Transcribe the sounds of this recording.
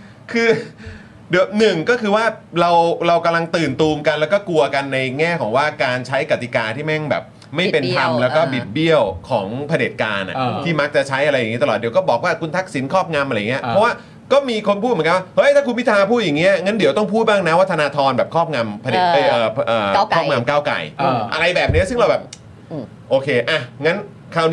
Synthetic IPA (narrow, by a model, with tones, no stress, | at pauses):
kʰɯː˧ | di˨˩˦wnɯ˨˩ŋkɔː˥˩kʰɯː˧waː˥˩ɾa˧wɾa˧wka˧mla˧ŋt̪ɯː˨˩nt̪uː˧mka˧nlɛː˦˥wkɔː˥˩ku˧ɐka˧nːa˧jŋɛː˥˩kʰɔː˩˦ŋwaː˥˩kaː˧nt͡ɕʰa˦˥jka˨˩t̪i˨˩kaː˧t̪ʰiː˥˩mɛ˥˩ŋbɛ̰ː˨˩p̚ | ma˥˩jpe˧nt̪ʰa˧mlɛː˦˥wkɔː˥˩bi˨˩t̪̚bi˥˩əwkʰɔː˩˦ŋpʰa˧deː˨˩t̪̚kaː˧nʔa̰˨˩t̪ʰiː˥˩ma˦˥k̚t͡ɕa˨˩t͡ɕʰa˦˥jʔa˧ɾa˧jːŋi˦˥a˧lɔː˨˩t̚di˩˦wkɔː˥˩bɔː˨˩k̚waː˥˩kʰu˧nt̪ʰa˦˥k̚si˩˦nkʰɔː˥˩p̚ŋa˧mʔa˧jŋi˦˥ɐ˧ppʰɔ˦˥waː˥˩ | kɔː˥˩miː˧kʰo˧npʰu˥˩t̪m˨˩˦ka˧wa˥˩hɤ˦˥jtʰaː˥˩ku˧nwʰi˥t̪ʰaː˧pʰuː˥˩ja˨˩ŋːi˦˥ɐŋa˦˥ndi˩˦t̪ɔ˥˩ŋpʰuː˥˩t̪̚baː˥˩ŋna˦˥wa˦˥˩t̪ʰnaː˧t̪ʰɔː˧nbɛː˨˩kʰɔː˥˩p̚ŋa˧mpʰa˧deː˨˩t̪̚ɤː˨˩ʔɤː˨˩˥kʰɔː˥˩ŋa˧mkaː˥˩wka̰˨˩jʔa̰˧ɾa˧jbɛː˨˩p̚ni˦˥ɐsɯ˥˩ŋɾa˧wbɛː˨˩p̚ː | ʔoː˧kʰeː˧ʔa˧˩ŋa˦˥n | kʰaː˨˩wn